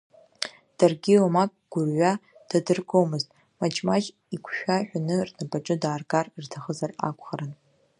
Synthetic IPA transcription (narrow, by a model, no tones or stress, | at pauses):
d̥arɡʲilomakʼɡ̥ʷʊrɥad̥adɨrɡo̞mɨztʼ | mat͡ʃʰʼmaʒ | ikʷʰʃᶣaħʷᶣanɨrnapʼaʈ͡ʂʼɨdaːrɡarrtʰaχəzara̰kʷʰʼχaɾan